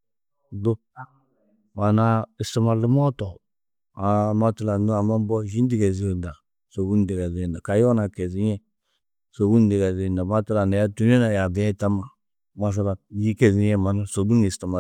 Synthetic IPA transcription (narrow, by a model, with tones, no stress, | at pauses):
do˦ | wa˨na˨i˨sti˨ma˨li˦mɔ˦tɔ˨ | a˨ma˦tu˦la˨n˦a˨ma˦m˦bɔ˦ʒi˦n˦di˦ɡɛ˨zi˨˦o˨nda˨ | so˨wu˦n˦di˨ɡa˨zi˨nda˨ka˨ja˦na˨kɛ˨zi˨˦ɛ˦ | so˨wu˦n˦di˨ɡa˨zi˨nda˨ma˦tu˦la˨na˨ja˦tu˦n˦e˦na˨ja˨bi˨˦a˦˨ta˦ma˨˦ | ma˨s̬a˦la˨ji˦kɛ˨zi˨˦jɛ˦ma˨na˦so˨du˦ŋi˨sti˨ma˨